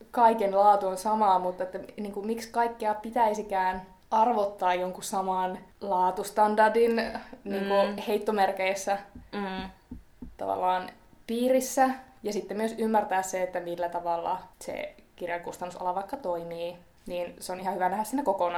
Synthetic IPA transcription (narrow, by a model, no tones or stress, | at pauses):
kɑikenlɑːt̪uonsɑmɑːmut̪ːɑet̪ːæniːŋkummikskɑikːiɑpit̪æisikæːn | ɑrʋot̪ːɑːjjoŋkusɑmɑnlɑːt̪ust̪ɑndɑrdinniːŋkuheit̪ːomerkeisːæ | t̪ɑ̰ʋɑ̰lːɑːn | piːrisːæjɑsit̪ːemmyøsymːært̪æːsseet̪ːæmilːæt̪ɑʋɑlːɑ̰sḛkirjɑŋkust̪ɑnːuso̰lːɑʋɑikːɑt̪oimiː | niːnseonihɑhyʋænæhæsinːækokonɑ